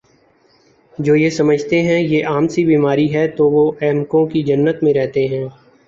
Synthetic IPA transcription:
d͡ʒoːjesɐməd͡ʒʱt̪eɦɛ̃jeʔaːmsibiːmaːɾiɦɛt̪oʋoʔɛːmkõkid͡ʒɐnːət̪mẽɾɛɦt̪eɦɛ̃ː

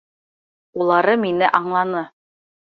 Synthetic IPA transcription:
ulˠɑɾɤminɘʔɑɴlˠɑnɤ

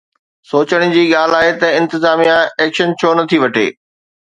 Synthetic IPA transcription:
soːt͡ɕəɽ̃̆d͡ʑiːɠaːl̤aːɦet̪ɐɪ̃nt̪ɪzaːmijãɛːkʃənt͡ɕʰoːnɐt̪ʰiʋɐʈʰḛː

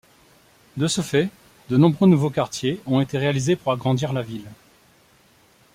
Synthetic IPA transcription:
d̪əsəfɛ | d̪ənɔ̃bʁønuvokaʁt̪jeɔ̃et̪eʁealizepuʁaɡʁɑ̃d̪iʁlavil

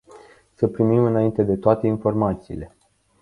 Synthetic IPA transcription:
səpɾimimɨnaint̪e̞d̪e̞t̪oat̪e̞info̞rmat̪siːle̞

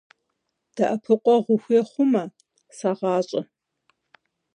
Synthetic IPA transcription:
d̥ɐʔɐpʰɨqʷʼɔʁʷʊxʷɛχʷʊmɐ | saʁɑːɕʼɐ

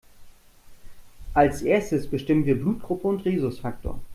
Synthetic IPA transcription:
ʔalsʔeːɐstəsb̥əʃtɪmənviːɐbluːt̚ɡ̥ʁʊpəʊntʁiːzʊsfaktʰo̰ːɐ

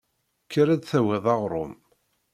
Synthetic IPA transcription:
kːəɾæd̪θæwæðˤɑʁɾˤʊ̰m

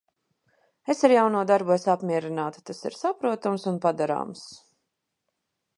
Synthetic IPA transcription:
esaɾjawnuɔd̪aɾbusapmʲiɛɾinaːt̪u̥t̪asḭɾsapɾuɔt̪umsunpad̪aɾa̰ːms

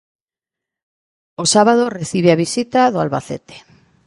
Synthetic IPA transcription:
osaβað̞oreθiβeaβisit̪aðoalβa̰θḛt̪e̥

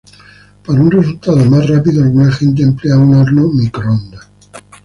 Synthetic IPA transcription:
paɾaunre̞s̬ult̪að̞omasrapiðoalɣunaxe̞nt̪̬eːmpleaunoɾnomikɾoond̪a

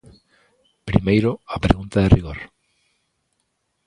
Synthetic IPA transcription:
pɾḭmejɾoapɾḛɣunt̪aðeriɣ̞oɾ

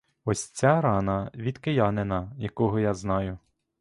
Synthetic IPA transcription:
ɔsʲt͡sʲaɾɑnɐʋʲid̪kejɑnenɐjɐkɔɦɔjaznɑjʊ

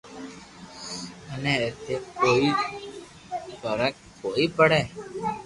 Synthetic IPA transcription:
əneːet̪eːkoːiː | fəɾək | koːiːpəɽeː

